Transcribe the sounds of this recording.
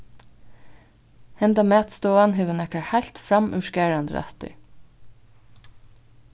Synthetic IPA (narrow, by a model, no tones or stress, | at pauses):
hɛnd̪ɑmeːɑt̪st̪oːɑnɦʉʋənɛkəɹhæɪlt̪fɾɑmʔʉʃkeːɹɑnd̪əɾæ̰t̪ə̰ɹ